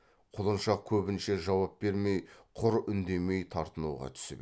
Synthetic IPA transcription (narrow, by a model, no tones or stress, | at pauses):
qʰʊlˠənʃɑq̚kʲʰɵbɪnʃe̞ʒɑwɑp̚be̞ɾme̞jqʰʊɾʏnd̪e̞me̞jt̪ʰɑɾt̪ənuʁɑ̰t̪ʰʏ̥sɪ̰b